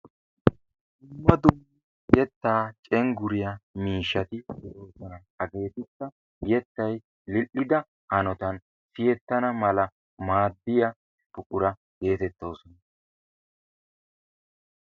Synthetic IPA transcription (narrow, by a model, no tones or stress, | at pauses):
d̪ʊmːɐd̪ʊmːɐ | jɛt̪ːaːt͡ʃʼɛŋɡʊɾɪjɐmiːʃːɐt̪ɪsɪɾoːsɔnɐ | ɐɡe̞ːt̪ɪkːɐ | ɡɪjɛt̪ːɐj | lɪʔːɪd̪ɐ | hɐnɔt̪ɐn | sɪjɛt̪ːɐnɐmɐlɐ | maːd̪ːɪjɐ | pʊkʼʊɾɐ | ɡe̞ːt̪ɛt̪ːo̞ːsɔnɐ